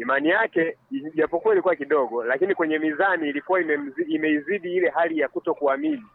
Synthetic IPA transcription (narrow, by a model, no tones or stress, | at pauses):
imanijakɛʄapukuailikuwakiɗɔɠɔlakinikwɛɲɛmizaniːlikuwaimɛm̩ziːmɛiziɗiilɛɦalijakutɔkuamini